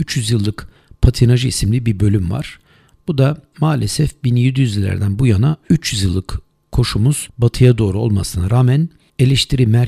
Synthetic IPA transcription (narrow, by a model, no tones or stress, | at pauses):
yt͡ʃjyzjɯlˠːɯk | pʰat̪ʰinaʒɯisimlʲibiɾbø̞lʲymva̰ɾ̥ | b̥ud̪amaːlʲesɛfbinjed̪ijyzilʲːæ̰ɾd̪ænbujanayt͡ʃjyzjɯlˠːɯk | kʰːo̞ʃumuz̥bat̪ʰɯjad̪o̞ːɾuo̞lˠma̰sɯnɯɾaːmæn | e̞lʲɛʃt̪ʰiɾimæɾ